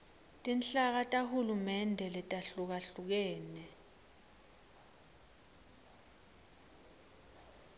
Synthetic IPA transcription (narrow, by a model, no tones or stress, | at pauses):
tʼinɬak̬atʼahulumɛndʱɛlɛtʼaɬuk̬aɬuk̬ɛːnɛ